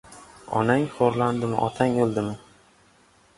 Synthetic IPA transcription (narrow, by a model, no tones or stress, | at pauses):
ɒ̰naŋχoɾland̪ɪmɪ̰ʔɒt̪ʰaŋolˠd̪ɪmɪ